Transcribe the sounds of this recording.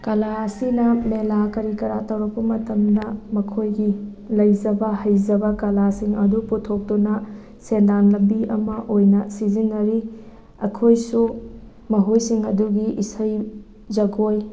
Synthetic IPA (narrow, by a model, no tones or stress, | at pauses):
kɐlaɐsinɐmelakɐɾikɐɾatɐwɾɐk̚pɐmɐtɐmdɐmɐkʰojɡi | lɐjzɐbɐhɐjzɐbɐkɐlasiŋɐduputʰok̚tunɐ | sendanlɐbiʔɐmɐʔojnɐsizinːɐɾi | ɐkʰojsu | mɐɦojsiŋɐduɡiʔisɐj | zɐɡoj